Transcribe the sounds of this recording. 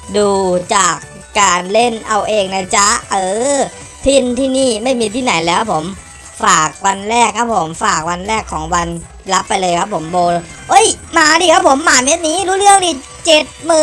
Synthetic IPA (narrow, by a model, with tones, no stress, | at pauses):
duː˧t͡ɕaː˨˩kː | aː˧nle˥˩nʔa˧wʔeː˧˩k̚na˧˩t͡ɕa˦˥ʔɤː˧˩ | t̪ʰi˥˩nt̪ʰiː˥˩niː˥˩ma˥˩jmiː˧t̪ʰiː˥˩na˨˩˦jlɛː˦˥ka˦˥pʰo˩˦m | faː˨˩k̚wa˧nɾɛː˥˩kʰːa˦˥pʰːo˩˦mfaː˨˩k̚wa˧nɾɛː˥˩kʰːɔː˩˦ŋwa˧n | la˦˥pːa˧jlɤː˧jkʰa˦˥pʰːo˩˦mboː˧ | ʔɤ˦˥˩jmaː˧˩diː˧kʰa˦˥pʰːo˩˦mːaː˨˩me˦˥t̪̚niː˦˥ɾuː˦˥lɯ˥˩əŋdiː˧˩ | t͡ɕe˨˩t̪̚mɯː˨˩